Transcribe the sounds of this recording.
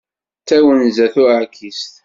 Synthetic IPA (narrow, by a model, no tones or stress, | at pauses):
t͡sːæwənzæθʊakʰːist̪